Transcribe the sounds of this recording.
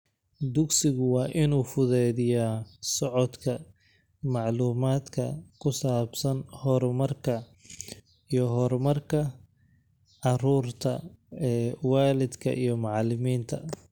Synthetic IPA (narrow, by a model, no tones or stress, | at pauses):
d̪ʊɡsɪɣʊwɑːʔɪnuːfʊðɛːðɪjasɔʕɔd̪kʰɐ | mɑʕluːmaːd̪kʰɐ̰kʰʊsaːbsɐnhɔrmɐrkʰɐ | ijɞɦɔrmɐrkʰɐ | ʕɑruːrt̪ʰɐ̰ɛwɑːlɪd̪kʰɐ̰ʔijɞmɑʕɑlɪmiːnt̪ʰɐ̰